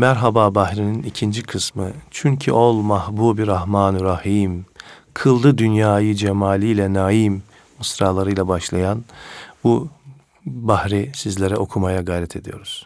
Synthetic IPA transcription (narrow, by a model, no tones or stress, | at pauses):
mæɾɦababahɾininicʰind͡ʒikʰɯsmɯt͡ʃʰyɲcʰiʔolˠmahbuːbiɾahmaːnɾahim | kʰɯlˠd̪ɯd̪ynjaːjɯd͡ʒemaːlʲijlʲɛnaːimː | ɯsɾaːlˠaɾɯjlˠabaʃlˠajanbu | bahɾisizlʲeɾɛo̞kʰumajaɡajɾɛt̪ʰe̞d̪ijo̞ɾuz̥